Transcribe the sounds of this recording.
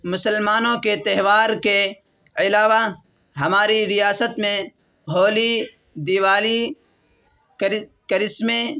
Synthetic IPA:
mʊsəlmaːnõket̪ɐɦʋaːɾke | ɪlaːʋa | ɦɐmaːɾiɾɪjaːsət̪mẽ | ɦoːli | d̪iːʋaːli | kkəɾɪsmẽ

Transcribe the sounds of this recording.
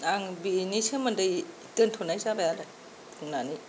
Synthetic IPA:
aŋbinisʰemɐndɯj | tɯntʰonajzabajala | pʰuŋnani

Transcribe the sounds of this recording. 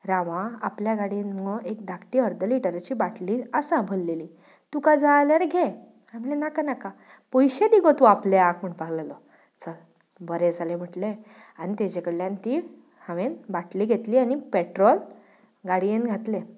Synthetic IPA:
ɾaʋãapljaɡaɽienɔʔek̚d̪ʱakʈiːəɾd̪əliʈəɾat͡ɕiːbaʈʰliːəsabʱəlːeliː | t̪ukad͡zaljaɾɡʱe | am̤ilenakanaka | pɔjɕed̪iɡot̪uapleakm̤əɳpaɡləlɔ | t͡səl | bəɾed͡zʱalem̤əʈle | añit̪ed͡ʑekəɽljant̪i | hãʋenbaʈliːɡʱet̪liːañipeʈɾɔl | ɡaɽijenɡʱat̪le

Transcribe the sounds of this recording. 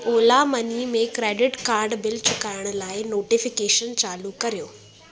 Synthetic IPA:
oːlamɐnimẽkɾeːɖɪʈkaːɾɖbɪlt͡ɕʰʊkaːɪɽ̃ʊlaːɪnoːʈɪfɪkeːʃənt͡ɕaːlukɐɾijoː

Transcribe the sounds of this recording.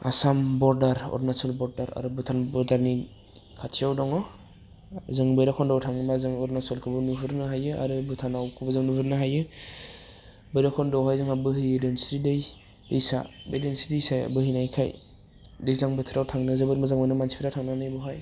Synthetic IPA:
a̰sambɔɾdaɾɔ̰ɾdnasɔlbɔɾdaɾa̰ɾɯbɯtʰanbɔɾdaɾni | kʰatʰijawdɔŋɔ | zɯŋbɯjɾakʰɔndawtʰaŋnimazɯŋɔɾdnasɔlkʰɯbɯnuɦɯɾnɯɦajɯa̰ɾɯbɯtʰanawkʰɯbɯzɯŋnubɯɾnɯɦajɯ | bɯjɾakʰɔndɔwɦajzɯŋabɯɦɯjedensiɾidɯj | ejsa̰bedensidijsaja̰bɯɦɯjnajkʰa̰j | dɯjzaŋbɯtʰiɾawtʰaŋnɯzɯbɯɾmazaŋmajnɯmansi̥pʰiɾatʰaŋnanɯjbɔɦaj

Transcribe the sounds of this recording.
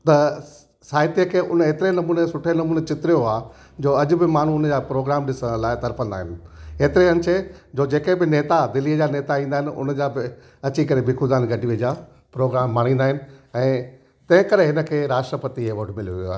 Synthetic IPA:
t̪ɐ | saːɦɪt̪ijəkʰeːʔʊn̤əeːt̪ɪɾenɐmuːnesʊʈʰenɐmuːnet͡ɕɪt̪ɾijoaː | d͡ʑoːɐʄʊ̆bɪmaːn̤uʊnəd͡ʑaːpɾoːɡɾaːmɗɪsə̃ɽ̃laːɪt̪ɐɾfə̃nd̪a̰ːɦɪnɪ̆eːt̪ɪɾeɐ̃nt͡ɕʰed͡ʑoːd͡ʑeːkẽbɪneːt̪ad̪ɪliəd͡ʑaːneːt̪aĩːnd̪aːɦɪnɪ̆ʊ̰nəd͡ʑabɪ | ɐt͡ɕikɐɾebɪkʰʊd̪aːnɡɐɖiʋəd͡ʑaː | pɾoːɡɾaːmːaːɽ̃ĩːnd̪aːɦɪnɪ̆ɛ̃ː | t̪ɐ̃ɦɪ̃kɐɾeɦɪnə̆kʰeːɾaːʃʈɾəpət̪iɦeʋoʈʰmɪlijuʋijo̰a̰ːɦ

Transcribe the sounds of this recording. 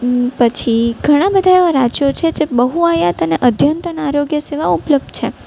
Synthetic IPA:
pət͡ʃʰiɡʱəɽ̃ãbəd̪ʱaeʋaɾad͡ʒjot͡ʃʰed͡ʒebəɦuajat̪əneʔəd̪ʱjənt̪ənaɾoɡjəseʋaupləb̚d̪̚t͡ʃʰe

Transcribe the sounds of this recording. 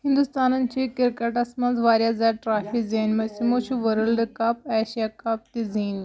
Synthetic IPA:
ɦɪ̃nd̪ʊst̪aːnənɪ̆t͡ɕeːkɪɾkəʈɐsmɐ̃nzʋaːɾijazaːʈɾaːfikzeːnmɐ̃simot͡ʃʰuʋɐɾəlɖkaːp̚ɛːʃijakaːp̚t̪iziːn

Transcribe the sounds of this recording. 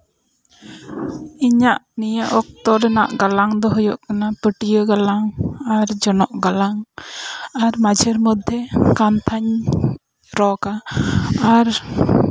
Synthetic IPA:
iɲaʔnijaʔɔk̚t̪ɔɾɛna̰ʔɡalaŋd̪ɔɦɔjɔʔkanapəʈijəɡalaŋaɾd͡ʒɔnɔʔɡalaŋ | aɾmad͡ʒʱəɾmɔd̪ʱːɛkant̪ʰaɲ | ɾɔka | aɾ

